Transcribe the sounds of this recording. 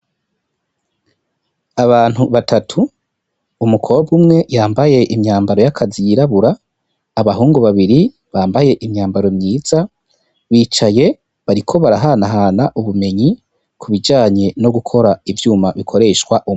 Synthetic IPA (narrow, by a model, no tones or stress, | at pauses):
aβaːn̥huβatatʰuː | mukʰo̞ːbɡumŋe̞jaːmbaje̞ʔimɲaːmbaɾo̞jakʰazijiɾaβuɾaː | βaɦuːŋɡuβaβiɾi | βaːmbaje̞ʔimɲaːmbaɾo̞mɲiːz̥a | βiːt͡ʃaje̞ | βaɾikʰo̞βaɾaɦanaɦaːnaʔuβume̞ɲi | kʰuβid͡ʒaːɲe̞no̞ɡukʰo̞ɾaivjuːmaβikʰo̞ɾe̞ːʃkwaʔum